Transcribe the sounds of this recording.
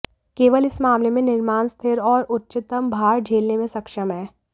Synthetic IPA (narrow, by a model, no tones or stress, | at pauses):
keːʋəlɪsmaːmlemẽnɪɾmaːnst̪ʰɪɾɔːɾʊtːʃɪt̪əmbʱaːɾd͡ʒʱeːlnemẽsɐkʃəmɦɛː